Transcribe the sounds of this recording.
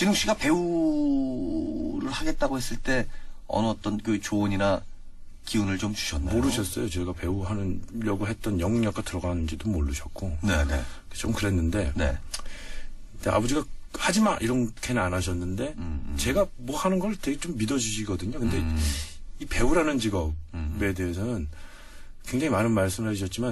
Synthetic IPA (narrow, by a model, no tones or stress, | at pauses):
t͡ɕinɯŋɕ͈iɡape̞u | ɾɯɭhaɡe̞t̚t͈aɡohes͈ɯɭt͈e̞ʌ̰nʌːt͈ʌnkɯt͡ɕoːɲina | kiunɯɭt͡ɕomt͡ɕu̥ɕʰʌnːmoɾɯɕʰʌs͈ʌjot͡ɕeɡape̞uɦanɯnʎʌɡɯɦe̞t̚t͈ʌnjʌŋɲʌk͈atɯɾʌɡanɯnd͡ʑidomoɭːɯɕʰʌk̚k͈onenḛ | ket͡ɕomkɯɾe̞nːɯnde̞ne | teʔa̰bʌd͡ʑiɡahad͡ʑimaʔiɾʌnkʰe̞nɯnanaɕ̬ʰʌnːɯnde̞t͡ɕe̞ɡamwʌhanɯnɡʌɾɯte̞ɡe̞t͡ɕomːidʌd͡ʑuɕʰiɡʌdɯɲokɯnde̞ | ipe̞uɾɦanɯnt͡ɕiɡʌbe̞de̞ɦesʰʌnɯn | kwe̞ŋd͡ʑaŋimanɯnmaɭs͈ɯmɯɭɦaiɕʰʌt̚t͡ɕ͈ima